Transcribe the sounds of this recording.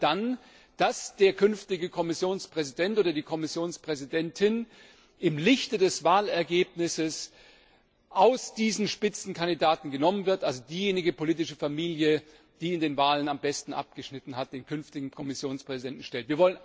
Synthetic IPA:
d̥an | d̥asd̥eːɐkʰʏnftɪɡəkʰɔmɪsjoːnspʁ̥ɛzidɛntʔoːdɐdiːkʰɔmɪsjoːnspʁ̥ɛzidɛntʰɪn | ʔɪmlɪçtədɛsvaːlɛɐɡeːp̚nɪsəs | ʔaʊsd̥iːzn̩ʃpɪt͡sn̩kʰandidaːtn̩ɡənɔmənvɪɐtʔalzodiːjeːnɪɡəpʰoliːtɪʃəfamiːljə | d̥iːɪndeːnvaːlənambɛstn̩ʔa̰p̚ɡ̥əʃnɪtn̩ɦat̚d̥eːnkʰʏnftɪɡŋ̩kʰɔmɪsjoːnspʁ̥ɛzidɛntn̩ʃtɛltv̥iːɐvɔlən

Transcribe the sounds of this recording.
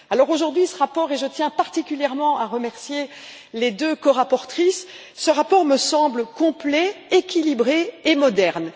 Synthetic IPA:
alɔʁoʒuʁd̪ɥisəʁapɔʁeʒət̪jɛ̃paʁt̪ikʲyljɛʁmɑ̃aʁəmɛʁsje | led̪økɔʁapɔʁt̪χisː | əʁapɔʁməsɑ̃bləkɔ̃plɛekʲilibʁeemɔd̪ɛʁn

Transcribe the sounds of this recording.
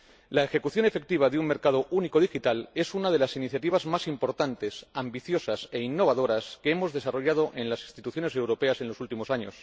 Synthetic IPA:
laexe̞kuθjo̞ne̞fe̞k̚t̪iβ̞aðeuŋme̞ɾkað̞o̞ʔuniko̞ð̞ixit̪ale̞sunað̞e̞lasiniθjat̪iβ̞azmasimpo̞ɾt̪ant̪e̞sambiθjo̞sase̞inːo̞βað̞o̞ɾaskeemo̞zðe̞saro̞ʝað̞o̞ʔe̞nlasĩnst̪it̪uθjo̞ne̞s̬e̞wɾo̞pe̞ase̞nlo̞sult̪imo̞saɲo̞s

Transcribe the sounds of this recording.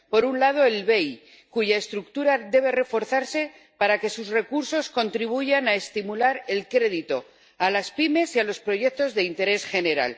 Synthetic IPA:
po̞ɾunlað̞o̞elβe̞j | kuʝaest̪ɾuk̚t̪uɾade̞β̞e̞re̞fo̞ɾθaɾse̞ | paɾake̞suzre̞kuɾso̞sko̞nt̪ɾiβ̞uʝanaest̪imulaɾe̞lkɾe̞ð̞it̪o̞ | alaspime̞sialo̞spɾo̞ʝe̞k̚t̪o̞zðe̞int̪e̞ɾe̞sxe̞ne̞ɾa̰l

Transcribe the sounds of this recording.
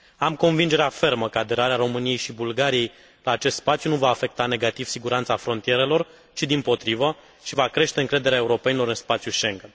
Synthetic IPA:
amko̞nvind͡ʒe̞ɾeafe̞rməkəad̪e̞ɾaɾeaɾo̞mɨnijejʃibulɡaɾije̞j | laːt͡ʃe̞st̪spat̪sjunuvaːfe̞k̚t̪ane̞ɡat̪iv̥siɡuɾant̪safɾo̞nt̪ije̞ɾe̞lo̞r | t͡ʃid̪impo̞t̪ɾivə | ʃivakɾe̞ʃt̪e̞ɨŋkɾe̞d̪e̞ɾeaeuɾo̞pe̞nilo̞ɾɨnspat̪sjuʃe̞ŋɡən

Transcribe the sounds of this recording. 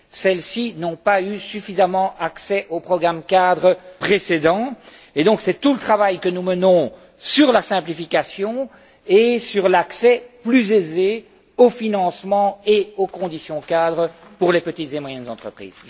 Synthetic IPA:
sɛlsinɔ̃paysyfizamɑ̃aksɛʔopχɔɡʁamkad̪ʁəpχesed̪ɑ̃ | ed̪ɔ̃ksɛt̪ulət̪χavajkənumənɔ̃ | syʁlasɛ̃plifikʲasjɔ̃ | esyʁlaksɛplyzeze | ofinɑ̃smɑ̃eokɔ̃d̪isjɔ̃kad̪ʁəpuʁlepət̪it̪zemwajɛnzɑ̃t̪χəpχḭːz̥

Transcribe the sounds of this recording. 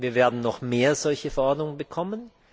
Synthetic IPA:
viːɐveːɐdn̩nɔχmeːɐzɔlçəfɛɐʔɔɐdnʊŋəbəkʰɔmən

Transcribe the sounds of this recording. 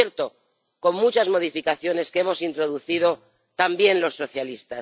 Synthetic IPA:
eɾt̪o̞ | ko̞mmut͡ʃazmo̞ð̞ifikaθjo̞ne̞ske̞mo̞sint̪ɾo̞ðuθið̞o̞ | t̪ambje̞nlo̞sːo̞θjalist̪a

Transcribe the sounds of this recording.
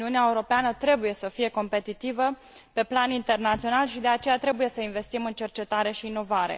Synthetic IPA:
iuneaeuɾo̞peanət̪ɾe̞buje̞səfije̞ko̞mpe̞t̪it̪ivə | pe̞planint̪e̞rnat̪sio̞nalʃid̪e̞at͡ʃe̞jat̪ɾe̞buje̞səinve̞st̪imɨnt͡ʃe̞rt͡ʃe̞t̪aɾe̞ʃiːno̞vaɾe̞̰

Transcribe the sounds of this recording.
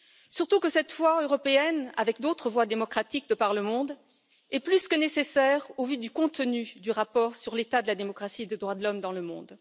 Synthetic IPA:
syʁt̪ukəsɛt̪vwaøʁɔpeɛna̰vɛkd̪ot̪χəvwad̪emɔkχat̪ik̚d̪əpaʁləmɔ̃d̪ | ɛplyskənesesɛʁovyd̪ykɔ̃t̪ənyd̪yʁapɔːʁsyʁlet̪ad̪əlad̪emɔkχasied̪ed̪ʁwad̪əlɔmd̪ɑ̃ləmɔ̰̃d̪

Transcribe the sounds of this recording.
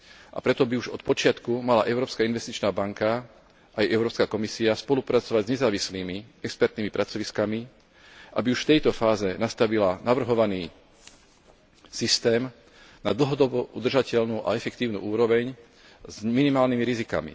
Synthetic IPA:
ʔa̰pɾɛt̪ɔbiuʒɔt̪pɔt͡ʃɪat̪kumalaʔɛʊɾɔːpskainʋɛst̪it͡ʃnaːbaŋka | ʔajʔɛʊɾɔːpskakɔmisiaspɔlupɾat͡sɔʋaɟzɲɛzaːʋisliːmiɛkspɛɾt̪niːmipɾat͡sɔʋiskami | ʔa̰biuʃft̪ɛjt̪ɔfaːzɛnast̪aʋilanaʋr̩ɦɔʋaniː | sist̪ɛːm | nad̪l̩ˠɦɔd̪ɔbɔʔṵd̪r̩ʒacɛʎnuʔa̰ɛfɛkt̪iːʊnṵːʔuːɾɔʋɛɲ | zminimaːlnimiɾizika̰mḭ

